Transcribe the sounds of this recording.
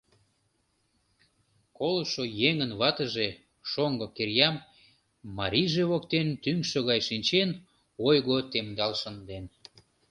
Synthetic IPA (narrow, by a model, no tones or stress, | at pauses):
koloʃojeŋənβɑt̪əʒe | ʃoŋɡokerjɑmː | ɑɾʲiʒeβokt̪ent̪yŋʃoɣɑjʃinʲt͡ɕen | ojɣot̪emd̪ɑlʃənd̪en